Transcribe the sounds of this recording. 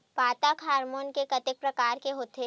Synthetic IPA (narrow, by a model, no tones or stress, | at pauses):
paːt̪akʰaːɾmoːnkekɐt̪ɪk̚pɾɐkaːɾkeɦoːt̪ʰe